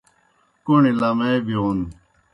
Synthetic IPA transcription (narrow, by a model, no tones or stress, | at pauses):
kunilɐmebioːn